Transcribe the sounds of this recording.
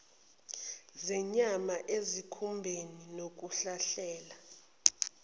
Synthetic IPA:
zɛɲamaʔezikʰumbʱeninok̬ʼuɬaɬɛːla

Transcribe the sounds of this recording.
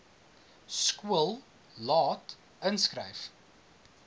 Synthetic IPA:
skuəlˠ | lɑːt | ənskrə̰jf

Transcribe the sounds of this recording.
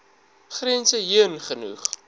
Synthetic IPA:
χriənsəɦiənχənṵχ

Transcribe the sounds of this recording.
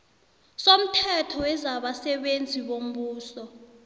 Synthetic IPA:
som̩tʰɛtʰɔwɛzaɓasɛɓend͡zʱiɓom̩ɓuːsɔ

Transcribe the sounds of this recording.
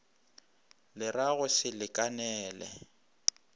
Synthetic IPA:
lɪraɣʊsɪlɪkʼanɛːlɛ̰

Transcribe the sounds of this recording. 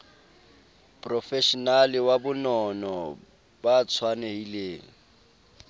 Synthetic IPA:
pʼrɔfɛʃɔnalɪwabʊnɔnɔ | bat͡sʰwanehileːŋ̩

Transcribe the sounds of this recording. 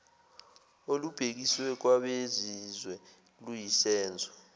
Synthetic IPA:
olub̥ʱek̬iswɛk̬waɓezizwɛ | lujisɛːnd͡zʱɔ̥

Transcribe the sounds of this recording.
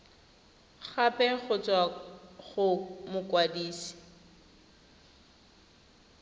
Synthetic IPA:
χapʼɛχʊt͡sʼwaɣʊmʊkwadiːsi̥

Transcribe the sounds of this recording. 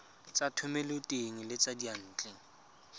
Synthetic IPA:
t͡satʰʊmelʊtʼeŋ̩lɪt͡sadian̩ːt͡ɬʼɛ

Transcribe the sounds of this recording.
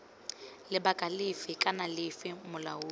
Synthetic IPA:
lɪbakʼalɪfɪkʼanalɪfɪmʊlaʊː

